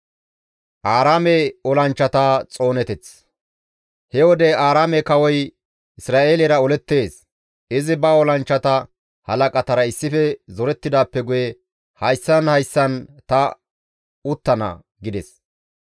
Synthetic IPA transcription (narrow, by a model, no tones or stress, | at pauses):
ʔaːɾaːmɛɔlɐnt͡ʃːɐt̪aːt͡sʼo̞ːnɛt̪ɛt͡s | hɛwɔd̪ɛaːɾaːmɛkɐwɔj | ɪsɾaːʔeːlɛɾɐɔlɛt̪ːe̞ːs | ɪzɪbɐɔlɐnt͡ʃːɐt̪ɐ | hɐlɐkʼɐt̪ɐɾɐɪsːɪfɛzɔɾɛt̪ːɪd̪aːpːɛɡʊjɛ | hɐjsːɐnhɐjsːɐnt̪ɐ | ʊt̪ːɐnɐ̰ | ɡɪd̪ɛs